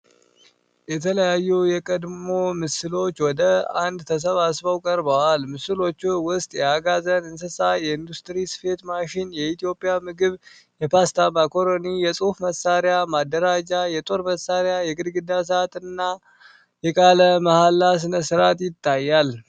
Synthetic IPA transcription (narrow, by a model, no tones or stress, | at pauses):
jɛt̪ʰələjajːujɛkʼəd̪mmo̞mɨsɨlo̞t͡ʃːwɔd̪əand̪t̪ʰəs̬əβasbəwkʼəɾbəwalmɨsɨlo̞t͡ʃːuwʊst̪ʼjɛaɡazənɨns̬ɨsajɛɨnd̪ust̪ʼɾisɨ̥fe̞t̪maʃinjɛit̪ʰijo̞pʼːijamɨɡɨβ | jɛpast̪ʰamakʰoɾonijɛsʼufməsːaɾjamad̪ːəɾad͡ʒajɛt̪ʼo̞ɾməsːaɾjajɛɡɨd̪ɡɨd̪as̬at̪ɨnːa | jɛkʼaləməhalːas̬ɨnəsɨɾat̪jɪt̪ːajːal